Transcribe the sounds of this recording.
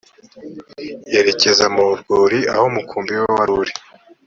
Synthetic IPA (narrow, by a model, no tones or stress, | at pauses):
eɾe̞ce̞zamuuɾɡoːɾia̰homukʰuːmbiwaβaɾuɾi